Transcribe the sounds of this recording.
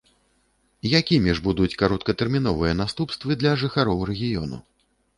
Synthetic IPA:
jakʲimʲiʐbud̪ut͡sʲkaɾɔt̪̚kɐt̪ɛrmʲin̪ɔvɨjɐnast̪upst̪vɨd̪lʲɐʐɨxaɾɔwrɛɣʲijɔ̰nṵ

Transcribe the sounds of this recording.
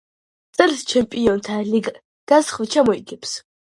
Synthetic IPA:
sʼɛlst͡ʃʰɛmpʼiɔnt̪ʰaliɡ | ɡ̪̥asχvt͡ʃʰamɔiɡʰɛps

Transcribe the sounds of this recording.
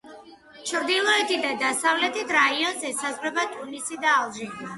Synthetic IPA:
t͡ʃʰɾd̪ilˠɔɛt̪ʰid̪ad̪asavlɛt̪ʰit̪ʰɾaiɔnzɛsazʁɾɛbat̪ʼunisid̪aːlˠʒi

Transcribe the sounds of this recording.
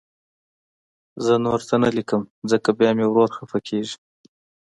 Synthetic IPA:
zənoɾt̪ʰanalikəmzəkabjɑmewɾoɾxafakʰeʒi̥

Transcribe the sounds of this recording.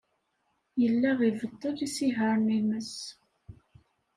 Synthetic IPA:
jəlːæʁivət̪ːəlisiɦəɾˤniməs

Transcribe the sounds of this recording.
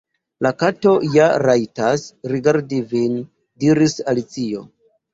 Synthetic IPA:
lakato̞jaɾajtasɾiɡaɾdivin | diɾisalit͡sio̞̰

